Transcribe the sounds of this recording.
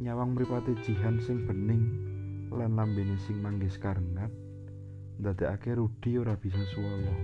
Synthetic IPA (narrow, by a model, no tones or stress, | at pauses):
ɲawaŋməɾipat̪ed̥ʒ̥i̤ɦansɪŋb̥ə̤nɪŋlanlambenisɪŋmaŋɡɪskaɾəŋat̪̚ | nd̪a̤d̪̥e̤a̰keɾud̪̥i̤oɾab̥is̬ɔsuwɔjɔ